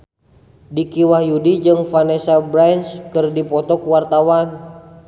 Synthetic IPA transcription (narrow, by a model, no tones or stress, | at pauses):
dikiwahjudid͡ʒɨŋfanɛsabɾanskɨrdipɔt̪ɔkuwart̪awan